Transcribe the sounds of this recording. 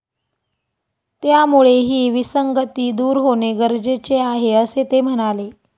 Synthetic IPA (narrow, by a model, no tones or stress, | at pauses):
t̪jamuɭeɦiːʋisəŋɡət̪iːd̪uːɾɦoneɡəɾd͡zet͡seaɦeəset̪em̤əɽ̃ale